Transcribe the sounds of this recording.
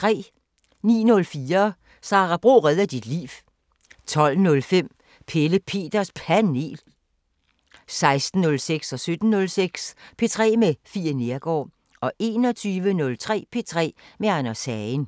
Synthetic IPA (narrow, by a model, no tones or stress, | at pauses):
t͡sʰʁɛ̰ː | nḭːnɔ̽lfiːɐ | sɑ̈ʁɑb̥ʁo̝̰ːʁɛð̞ˠɐd̥id̥lḭːʋ | t͡sʰɒ̽l̰nɔ̽lfem̰ | pʰeləpʰe̝̰ːd̥ɐspʰæne̝̰ːl | sɑ̈ɪsd̥n̩ːɔ̽lseɡ̥sɒ̽sød̥n̩ːɔ̽lseɡ̥spʰe̝t͡sʰʁɛ̰ːmefiːɐne̝ɐɡ̥ɒ̰ː | ɒ̽ʔe̝̰ːnɒ̽t͡sʰyːʋənɔ̽lt͡sʰʁɛ̰ːpʰe̝t͡sʰʁɛ̰ːmeænɐsɛn